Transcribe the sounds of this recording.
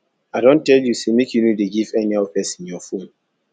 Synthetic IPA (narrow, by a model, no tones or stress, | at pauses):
adõn̩tɛljusemekjunudeɡivɛniaopɛsɪnjɔfon